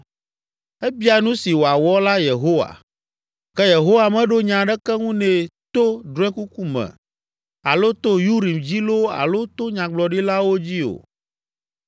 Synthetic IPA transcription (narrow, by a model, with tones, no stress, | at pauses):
ɛ˦bi˦a˨nũ˦si˨wo˨a˨wɔ˦la˦je˨ɦo˦wa̰˨ | kɛ˦je˨ɦo˦wa˨mɛ̃˦ɖo˦ɲã˨ɖɛ˦kɛ˦ŋũ˦nɛ̃˨t̪o˦dɾɛ̃˦ku˦ku˦mɛ̰̃˨ | a̰˨lo˦t̪o˦ju˦ɾi˨md͡ʑi˦lo˦a̰˨lo˦t̪o˦ɲã˨ɡ͡blɔ˨ɖi˦la˦wo˦d͡ʑi˦o̰˨